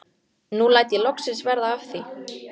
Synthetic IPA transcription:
nulaːjt̪jɪlɔksɪnsvɛɾðaafθi

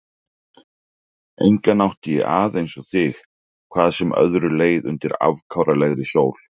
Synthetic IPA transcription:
ḛjŋkanawht̪ɪjɛ̰ʔaːðejnsɔθɪx | kʰvaːðsɛmœ̰ðɾʏleːjðʏ̰nt̪ɪɾa̰vkʰawɾalɛɣɾɪsjoːwl̥

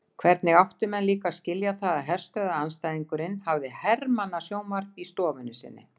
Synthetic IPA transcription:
kʰvɛɾt̪nɪɣawht̪ʏmɛnliːkascɪljaθaðaðɦɛr̥st̪œːðaanst̪ajðiŋkʏɾɪnhavðɪhɛɾmanːasjoːwmar̥pist̪ɔːvʏnːʏsɪ̰nːɪ̰

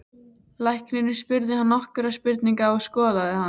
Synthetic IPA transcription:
lajhknɪnɪspʏɾðɪhanːɔhkʏɾaspɪɾt̪niŋkaɔɣskɔːðaðɪhan

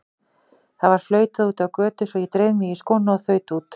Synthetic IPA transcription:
θavaɾ̥flœːɥt̪aðuːt̪avkœːt̪ʏsɔjɛt̪ɾeːjmɪiskoːwnaɔθœːɥt̪uːt̪

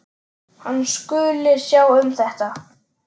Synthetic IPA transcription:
hanːskʏlɪɾsjaːwʏmθɛht̪a

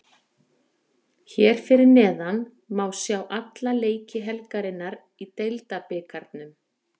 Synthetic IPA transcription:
çɛɾ̥fɪɾɪɾnɛːðan | maːwsjaːwʔat̪laleːjcɪɦɛlkaɾɪnːaɾ | it̪ejlt̪apɪːkʰaɾt̪nʏm

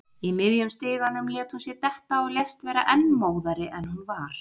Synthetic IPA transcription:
imɪðjʏmst̪ɪːðanʏmlɛːt̪hunsjɛɾt̪ɛht̪aɔɣlest̪vɛːɾaʔɛnːmoːwðaɾɪʔɛnhunvaɾ̥

